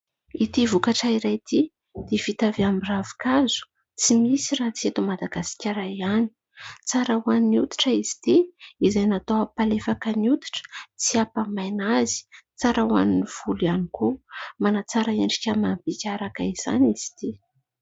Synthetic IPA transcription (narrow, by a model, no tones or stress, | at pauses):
it̪ivukaʈ͡ʂaiɾajt̪ʰi | d̪̥ev̥it̪aveamiravi̥kazu̥ | t͡simisiraɦt͡siet̪umad̪aɡasi̥kʲaɾajani̥ | t͡saɾawaniniut̪i̥ʈ͡ʂəizi̥t̪iizajnat̪owapalefakəniut̪i̥ʈ͡ʂə̥t͡siapamajnazi̥t͡saɾawa̰niniv̥ulianikumanat͡saɾaeɳɖ͡ʐikʲəmambikʲaɾakaiz̥a̰niz̥i̥t̪i